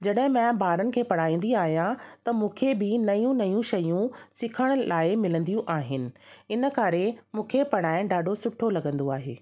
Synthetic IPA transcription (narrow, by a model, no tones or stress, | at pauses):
d͡ʑɐɗɦɪ̃mɐ̃baːɾənɪ̆kʰeːpɐɽ̤aːĩːn̆d̪iaːɦijãt̪ɐmũːkʰebɪnɐjũnɐjũʃɐjũsɪkʰəɽ̃ʊ̆laːɪmɪlə̃nd̪ijũʔaːɦɪnɪ̆ɪnə̆kaɾemũːkʰepɐɽ̤aːɪ̃ɖaːɖʱosʊʈʰolɐɠə̃nd̪oaːɦḛː